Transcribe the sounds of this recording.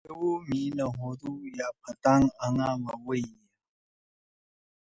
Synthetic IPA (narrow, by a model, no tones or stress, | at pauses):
əwuminəɦod̪ujap̚ʰat̪aŋaŋamawea